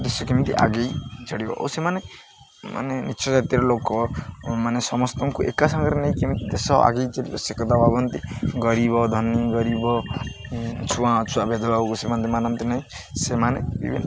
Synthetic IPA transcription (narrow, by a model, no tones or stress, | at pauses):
d̪esɔkemit̪iʔa̰ɡejt͡ʃɔɽibɔ̰ʔɔ̰wsemane | ma̰nenit͡ʃʰɔd͡ʒat̪jɾɔlokɔmanesɔmɔst̪ɔŋkuʔekasaŋɡɾeneĩkimit̪id̪esɔa̰ɡejt͡ʃɔɽibɔsekɔt̪abʱabɔnt̪iɡɔɾibɔd̪ʱɔnːiɡɔɾibɔ | t͡ʃʰuwãt͡ʃʰuabed̪ɔbaukusemant̪imanant̪inaĩ | semanebḭbʱin